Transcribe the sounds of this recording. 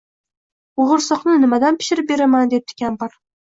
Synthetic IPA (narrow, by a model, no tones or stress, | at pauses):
oʁɨɾsɒχnɪnɪmad̪anpʰɪ̥ʃɪɾɪp̚be̞ɾamand̪ep̚t̪ʰɪ̥kʲʰanbɑɾ